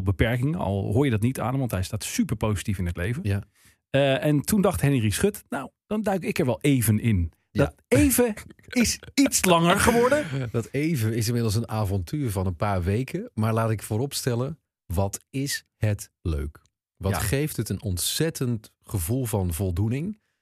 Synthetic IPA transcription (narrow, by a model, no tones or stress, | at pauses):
lˠbəpɛɹkɪŋəɑ̰lˠɦʊːɹjədɑt̬nita̰ːnəmʋɑntɦɛjstaːtsypəɹpowzitifɪnɦətlejvən | ɛntundɑχtɦhɛnrisχɵtnawd̥ɑndœɥkɪkɛɹʋɛlˠʔejvənɪn | dɑt | ejvəɪsitslɑŋəɹχəʋɔɹdədɑtejvəɪsɪnmɪdlˠs̬ənaːvɔntʰyːɹvɑnənpaːɹʋejkəmaːɹlaːtɪkfʊːɾɔpstɛlən | ʋɑtɪshət | lø̰ɥk | ʋɑtχejftətənɔntsɛtənt | χəvulˠvɑnvɔlˠdunɪŋ